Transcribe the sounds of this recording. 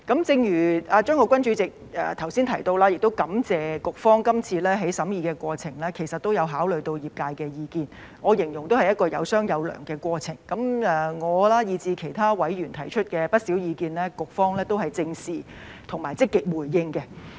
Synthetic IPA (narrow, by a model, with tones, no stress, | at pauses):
kɐ˨˥mt͡sɪ˧ŋjyː˨˩ʔaː˧t͡ʃœː˥ŋkɔː˧kʷɐ˥nt͡ʃy˨˥t͡sɪ˨k̚ɛ̰ː˧˩t̪ʰɐ˨˩wsiː˥nt̪ʰɐ˨˩jt̪o˧wlaː˥jɪ˨k̚t̪o˥wkɐ˨˥mt͡sɛː˨kʊ˨k̚fɔː˥ŋkɐ˥mt͡sʰiː˧lɛː˥ɦe˨˥jsɐ˨˥mjiː˧kɛː˧kʷɔː˧t͡sʰɪ˨˩ŋlɛː˥kʰe˨˩jsɐ˨t̪̚o˥wjɐ˨˧wɦaː˨˥wlɵ˨ɥjt̪o˧wjiː˨˩p̚kaː˧jkɛː˧jiː˨˧kiː˧n | ŋɔː˨˧jɪ˨˩ŋjʊ˨˩ŋt̪o˥whɐ˨jɐ˥t̚kɔː˧jɐ̰˨˧wsœː˥ŋjɐ˨˧wlœ̰ː˨˩ŋkɛː˧kʷɔː˧t͡sʰɪ˨˩ŋkɐ˨˥mʔɛː˨ŋɔː˨˧laː˥jiː˧t͡siː˧kʰe˨˩jt̪ʰaː˥wɐ˨˥jɥyː˨˩nt̪ʰɐ˨˩jt͡ʃʰɵ˥t̚kɛː˧pɐ˥t̚siː˨˥wjiː˨˧kiː˧nlɛː˥kʊ˨k̚fɔː˥ŋlɛː˥t̪o˥wɦɐ˨jt͡sɪ˧ŋsiː˨ | t̪ʰʊ˨ŋmaː˨˩jt͡sɪ˥kːɪ˨k̚wu˨˩jːɪ˧ŋkɛ˧